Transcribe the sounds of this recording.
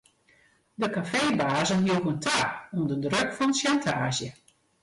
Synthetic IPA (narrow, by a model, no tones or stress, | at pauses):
dəkafeːbaːzənɦiəkəntʰaːɔmdədrøkfɔnəsʃjantʰaːzjə